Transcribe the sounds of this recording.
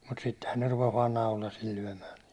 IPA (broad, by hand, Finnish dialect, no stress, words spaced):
mut sitːehæn ne rupes ʋɑːn nɑulɑsil lyæ̹mæː